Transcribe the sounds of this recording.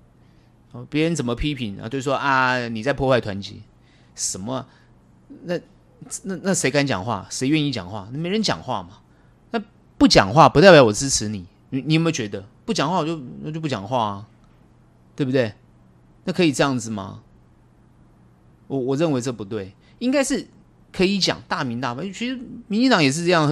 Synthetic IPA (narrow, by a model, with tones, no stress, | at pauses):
pjɛ˧˥ɻə˧˦nt͡sə˨˩nmə˦pʰi˥pʰi˧˥na̰˧t͡ɕjo˥˧ʊ˥˩wɔ˥ʔa˥˧ni˨˩t͡sa˥˧pʰɔ˥˧wɪt̪ʰwa˧˥nt͡ɕḭ˧˥˦ | ʂə˨˩nmə˦ | na˥˨˩ | na˥˧na˥˩ʂe˧˥ɪka˥nt͡ɕjɑ˨˩ŋxwa̰˥˩ʂe˧˥ɪɥɛ˥˧ni˥˩t͡ɕjɑ̰˨˩ŋxwa˥˧na˨˩me˨˥ɪɻə˧˦nt͡ɕjɑ̰˨˩ŋxwa˥˩mɐ˩ | na˥˧ | pu˥˩t͡ɕjɑ̰˨˩ŋxwa˥˩pu˧t̪a˥˩ɪpjɑ˧˥˩wɔ˨˩t͡sɹ̩˥ʈ͡ʂʰɻ̩˧˥ni˨˩˦ | ni˨˦ni˨˥˨mə˧˦t͡ɕɥɛ˧˦˥d̪ə˧pu˥˩t͡ɕjɑ˨˩ŋxwa˥˩˧jo˥˧ʊ˧˩t͡ɕjo˥˧p̬u˥˩t͡ɕjɑ̰˨˩ŋxwa˥˩ɐ˩ | t̪we˥˩bu˨t̪we˥˩ɪ | na˥˩kʰɤ˧˥i˨˩ʈ͡ʂɤ˥˧jɑ˥˩ŋd͡zɹ̩˨˩mɐ̰˩ | wɔ˨˩wɔ˨˩ɻə˥˩nwe˧˥ɪʈ͡ʂɤ˥˩pu˧˦t̪̬we˥˩ɪ | i˥ŋka˥ɪʂɻ̩˥˩ | kʰɤ˧˥i˧˦t͡ɕjɑ̰˨˩˦ŋt̪a˥˩mi˧˥nt̪a˥˧wa˥˩t͡ɕʰi˧˥ʂɻ̩˧˥mi˧˥nt͡ɕi˥˧t̪ɑ˧˥ŋjɛ˨˩ʂɻ̩˥˧ʈ͡ʂɤ˥˧jɑ˥˩ŋ˧˦